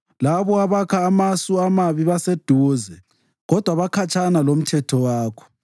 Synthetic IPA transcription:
laβɔaβakʰaːmasuamaβiβased̥ʱuːzɛ | ɣɔd̥ʱwaβakʰat͡ʃʰʼanalom̩tʰɛtʰɔwaːkʰɔ̥

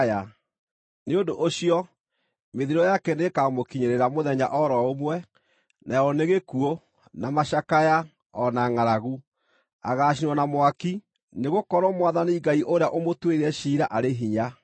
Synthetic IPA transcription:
a | neondoʔoɕiɔ | meðiɾɔjakɛnekamokiɲeɾeɾamoðɛɲa̰ʔɔɾɔomwɛ | nʔaɛɔneɣekuo | namaʃakaja | ɔnaŋaɾaɣu | a̰ɣaːɕ̬inwɔnamwaki | neɣokɔɾwɔmwaðaniɡaiʔoɾejaʔomotweiɛʃiːɾaʔaɾeɦiɲa

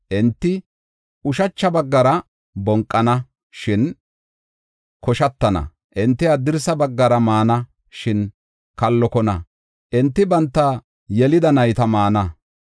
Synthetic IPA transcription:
ʔɪnt̪ːɪ | ʊʃɐt͡ʃːɐbɐɡːɐɾɐ | bɔŋkʼːɐnɐ | ʃɪn | kɔʃɐt̪ːɐnɐ̰ | ʔɪnt̪ːɪɐd̪ɪɾsɐbɐɡːɐɾɐmaːnɐ | ʃɪn | kɐlːɔkɔnɐ | ʔɪnt̪ːɪbɐnt̪ːɐ | jɛlɪd̪ɐnɐjt̪ɐmaːnɐ

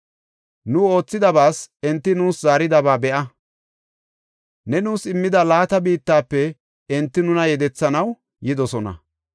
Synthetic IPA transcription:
nʊo̞ːt͡sːɪd̪ɐbaːsɛnt̪ːɪnuːszaːɾɪd̪ɐbaːbɛʔɐ | nɛnuːsɪmːɪd̪ɐlaːt̪ɐbiːt̪ːaːpːɛ | ɛnt̪ːɪnʊnɐjɛd̪ɛt͡sːɐnɐw | jɪd̪ɔsɔnɐ̰

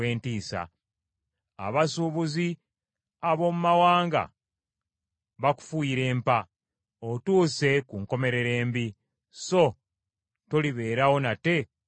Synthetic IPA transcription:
eːntiːsa̰ | a̰βasuβuzi | aβo̞mumawaːŋɡa̰ | βaku̥fuiɾe̞ːmpa | otuːse̞kuŋko̞me̞ɾe̞ɾe̞ːmbi | so̞ | to̞liβe̞ːɾawo̞nate̞

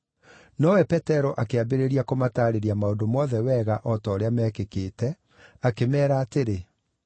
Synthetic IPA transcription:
nɔwɛpɛtɛɾɔʔakeabeɾeɾiakomataːɾeɾiamaodomɔðɛwɛːɣaʔɔtɔːɾeamɛːkekeːtɛ | akemɛːɾaːteɾe

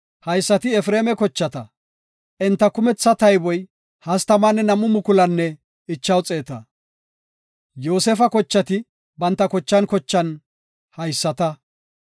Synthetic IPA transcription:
hɐjsːɐt̪ɪɛfɾeːmɛkɔt͡ʃːɐt̪ɐ | ʔɛnt̪ːɐkʊmɛt͡sːɐt̪ɐjbɔj | hɐst̪ɐmaːnːɛnɐmːʊmʊkʊlɐnːɛ | ɪt͡ʃːɐwt͡sʼeːt̪ɐ | jo̞ːsɛfɐkɔt͡ʃːɐt̪ɪ | bɐnt̪ːɐkɔt͡ʃːɐnkɔt͡ʃːɐn | hɐjsːɐt̪ɐ

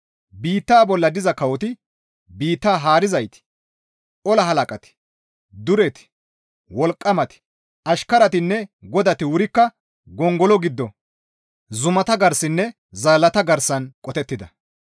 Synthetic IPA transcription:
biːt̪ːaːbɔlːɐd̪ɪzɐkɐwɔt̪ɪ | biːt̪ːaːɦaːɾɪzɐjt̪ɪ̥ | ʔɔlɐɦɐlɐkʼɐt̪ɪ̥ | d̪ʊɾɛt̪ɪ̥ | wɔlkʼːɐmɐt̪ɪ̥ | ɐʃkɐɾɐt̪ɪnːɛɡɔd̪ɐt̪ɪwʊɾɪkːɐ | ɡɔŋɡɔlɔɡɪd̪ːɔ | zʊmɐt̪ɐɡɐɾsɪnːɛ | zɐlːɐt̪ɐɡɐɾsɐnkʼɔt̪ɛt̪ːɪd̪ɐ

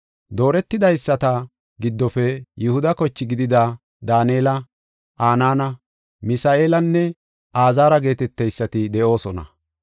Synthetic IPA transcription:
d̪o̞ːɾɛt̪ːɪd̪ɐjsːɐt̪ɐ | ɡɪd̪ːɔfɛjʊhʊd̪ɐkɔt͡ʃːɪɡɪd̪ɪd̪ɐ | d̪aːneːlɐ | ʔaːnaːnɐ | mɪsaːʔe̞ːlɐnːɛ | ʔaːzaːɾɐɡe̞ːt̪ɛt̪ːɛjsːɐt̪ɪd̪ɛʔo̞ːsɔnɐ̰

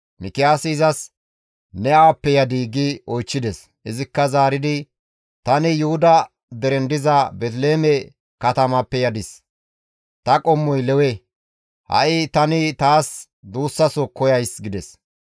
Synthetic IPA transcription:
mɪkɪjaːsɪːzɐs | nɛʔɐwɐpːɛjɐd̪iːɡɪɔjt͡ʃːɪd̪ɛs | ʔɪzɪkːɐzaːɾɪd̪ɪ | t̪ɐnɪjʊhʊd̪ɐ | d̪ɛɾɛnd̪ɪzɐbɛt̪̬leːmɛ | kɐt̪ɐmɐpːɛjɐd̪ɪs | t̪ɐkʼɔmːɔjlɛwɛ | hɐ̰ʔɪt̪ɐnɪt̪aːs | d̪uːsːɐsɔkːɔjɐjsɡɪd̪ɛs

